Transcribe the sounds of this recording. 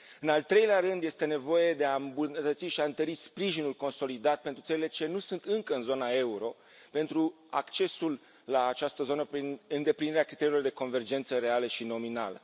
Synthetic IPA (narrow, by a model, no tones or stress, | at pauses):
ɨnalt̪ɾe̞jleaɾɨnd̪je̞st̪e̞ne̞vo̞je̞d̪e̞ambunət̪ət̪siʃiaɨnt̪əɾispɾiʒinulko̞nso̞lid̪at̪̚pent̪ɾut̪səlile̞t͡ʃe̞nusunt̪ɨŋkəɨnzo̞nae̞uɾo̞ | pe̞nt̪ɾu | a̰kt͡ʃe̞sulː | aːt͡ʃast̪əzo̞nəpɾinɨnd̪e̞pliniɾeakɾit̪e̞ɾilo̞rd̪e̞ko̞nve̞rd͡ʒe̞nt̪səɾe̞aləʃino̞mina̰lə̰